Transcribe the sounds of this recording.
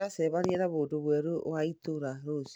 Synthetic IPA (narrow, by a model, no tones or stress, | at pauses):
aseβaɾjɛɾaβoːdoβwɛɾowaitoɾaɾos